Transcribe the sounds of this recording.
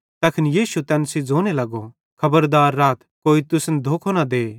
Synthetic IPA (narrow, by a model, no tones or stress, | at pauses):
t̪ɐkʰɪnjiːʃut̪ɛːnsid͡zoːnelɐɡo | kʰɐbəɾd̪aːɾːaːt̪koːit̪ʊsnd̪ʱoːkʰonad̪eː